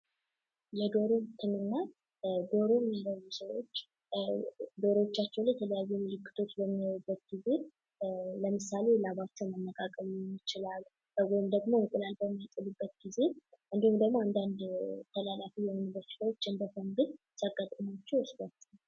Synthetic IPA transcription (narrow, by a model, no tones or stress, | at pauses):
jɛd̪o̞ɾot̪ʰɨnɨnːa | ɡo̞ɾomːaɾəβusəwo̞t͡ʃː | d̪o̞ɾwot͡ʃːat͡ʃːɛwnlajɛt̪ʰələjajːumɨlɨkʰːɨ̥t̪ʰo̞t͡ʃbəmːijawubːət̪ɡize̞ | ləmɨsale̞laβat͡ʃːɛwmənːəkʼakʼəmjɪt͡ʃɪlal | wɔjɪmd̪əɡmoɨŋkʼɨlalbəmːajt̪ʼɨlubːət̪ɡize̞ʔɨnd̪ihumd̪əɡmoand̪and̪t̪ʰəlalafijɛnɨbəɾt͡ʃɨ̥səwot͡ʃːɨnb̪əfənɡɨd | saɡʼət̪ʼːəmat͡ʃːɛwɨsd̪at͡ʃː